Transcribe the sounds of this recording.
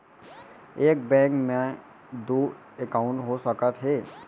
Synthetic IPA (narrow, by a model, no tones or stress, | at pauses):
eːk̚bɛ̃ːŋkmẽ | d̪oː | ekaːʊ̃ɳʈɦosəkət̪ɦeː